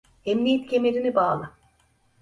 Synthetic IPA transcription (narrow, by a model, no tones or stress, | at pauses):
emnijɛt̪cʰe̞meɾinibaːlˠɯ